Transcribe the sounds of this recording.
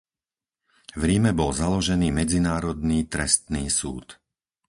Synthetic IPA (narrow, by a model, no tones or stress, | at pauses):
vɾimɛbɔlzalɔʒɛniːmɛd͡zinaːɾɔd̪niːt̪ɾɛst̪niːsṵːt̪